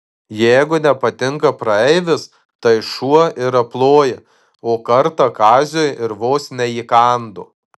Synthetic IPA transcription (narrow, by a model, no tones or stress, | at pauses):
jɛɪɡʊnʲɛpɐt̪ʲɪŋkɐpɾɐɛɪʋʲɪs | t̪ɐɪʃuɔʔɪɾɐplˠoːjɪ | oːkɐɾt̪ɐkɑːzʲoːjɪɾʋoːsnʲɛiːkɑːnd̪o̰ː